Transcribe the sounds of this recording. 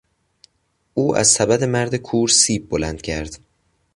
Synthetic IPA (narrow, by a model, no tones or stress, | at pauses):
ʔuːʔæ̰zsæbæd̪e̞mæɾd̪e̞kʰuːɾsiːb̚ːolænd̪̥cʰæɾd̪̥